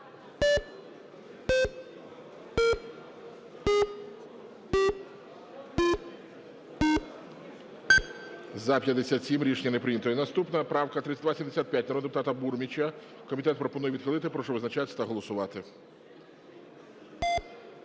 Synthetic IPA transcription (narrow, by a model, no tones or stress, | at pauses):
zɐpʲjɐd̪esʲat̪ʲsʲimɾʲiʃenʲːɐnepɾɪnʲɐt̪ɔjinɐst̪upnɐpɾɑwkɐt̪ɾɪt̪ʲsʲɐd̪ʋasʲimd̪esʲat̪pjat̚ʲnɾɔd̪epʊt̪ɑt̪ɐburmʲit͡ʃʲɐ | kɔmʲit̪ɛt̪̚pɾɔpɔnujɛʋʲid̪xɪlˠɪt̪ɪpɾɔʃɔʋɪznɐt͡ʃat̪sʲt̪ɐɦɔlˠɔsʊʋɑt̪ɪ